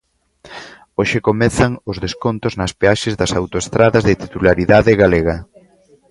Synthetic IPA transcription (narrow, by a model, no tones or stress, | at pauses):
oʃɪkomɛθɐŋʊzðeskont̪ʊznɐspeaʃɪzðɐsawt̪oest̪ɾaðɐzðɪt̪it̪ulaɾiðaðɪɣaleɣɐ